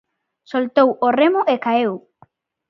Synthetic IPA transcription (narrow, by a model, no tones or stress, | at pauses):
solt̪oworemʊʔekaew